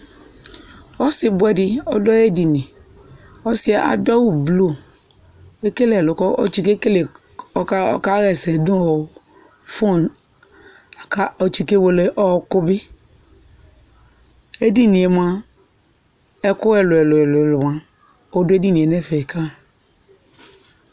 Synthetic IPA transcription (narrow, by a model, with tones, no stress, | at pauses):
ɔ˦sɪ˨bʊ˦ɛ˨dɪ˦ɔ˦dɔ˦e˦di˨nĩ˨ | ɔ˦sɪ˦a˦˨ʔa̰˨dɔ˦wu˦blo˦ | e˦ke˦le˨ɛ˨lʊ˨kɔ˦o̰˦t͡ʃi˦ke˦ke˦le˨ | ɔ˦ka˦ɔ̰˦ka˦ɣɛ˨sɛ˨dʊ̃˦ɔ˨ | fo˦n | a˨ka˦ɔ˨t͡ʃi˨ke˦wo˨le˨ʔɔ˦˨kʊ˦bi˦ | e˦di˦nĩ˨e˨m˨ã˨ | ɛ˦kʊ˦ɛ˦˨lʊ˨ɛ˨lʊ˨ɛ˨lʊ˨lʊ˨m˨ã˨ | o˦dʊ˦e˦di˦nĩ˨e˨nɛ˦˨fɛ˨kʰa˦